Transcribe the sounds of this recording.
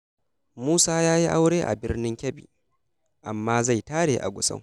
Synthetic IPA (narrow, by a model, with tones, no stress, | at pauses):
muː˦saː˦jaː˦ji˦ʔa˦wɽeː˦ʔa̰˨bɪ˦rnɪ˦ŋkʲɐ˦bḭː˨ | ʔa˨mːaː˦za˦˨jtaː˦ɽeː˨ʔa̰˨ɡʷʊ˨sɐ̰˦ŋ